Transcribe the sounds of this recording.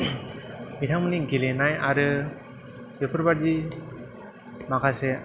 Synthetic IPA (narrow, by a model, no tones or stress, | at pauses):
mitʰaŋmɯniɡelenajaɾɯ | bepʰɯɾbaɾdi | makʰase